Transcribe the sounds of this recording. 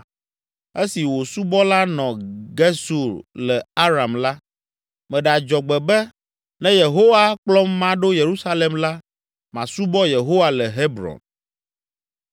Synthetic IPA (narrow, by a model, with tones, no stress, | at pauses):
e˦si˨wo˨su˦bɔ˦la˦nɔ̃˨ɡe˦su˨ɾlɛ˨a˦ɾa˨mla˦ | mɛ̃˨ɖɛ˨a˨d͡ʒɔ˨ɡ͡bɛ˨bɛ˦ | nɛ̃˦je˨ɦo˦wa˦k͡plɔ˦mːã˨˦ɖo˦je˨ɾu˦sa˦le˨mla˦ | mã˨su˦bɔ˦je˨ɦo˦wa˨lɛ˨ɦe˦bɾɔ̰̃˨n